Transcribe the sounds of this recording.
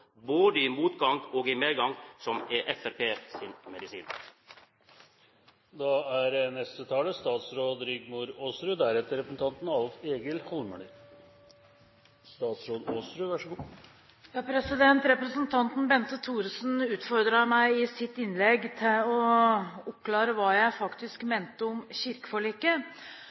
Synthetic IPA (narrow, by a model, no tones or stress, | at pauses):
boːd̪əɪmuːt̪ɡɑŋɔːɡɪmeːɡɑŋsɔmɛʔɛfæpʰeːsinmɛd̪ɪsiːn̰ | d̪ɑæɾnɛst̪ət̪ʰɑːləst̪ɑːt̪sɾoːd̪ɾʏɡmʊɾoːsɾʉd̪æɾɛt̪ːəɾɛpɾəsn̩t̪ʰɑnt̪n̩ɑlfeːɡəlhɔlmʉɳi | st̪ɑːt̪sɾoːd̪oːsɾʉʋæʂɔɡuː | jɑːpʰɾɛsɪd̪ɛnt̪ɾɛpɾəsənt̪ʰɑnt̪n̩bɛnt̪ət̪ʰuːɾsnʉːt̪fɔɾd̪ɾɑmæɪɪsɪt̪ɪnlɛɡt̪ʰɪlɔʊpklɑːɾəʋɑːjæɪfɑkt̪ɪskmeːnt̪əɔmɕɪɾkə̥fɔɭiːkːə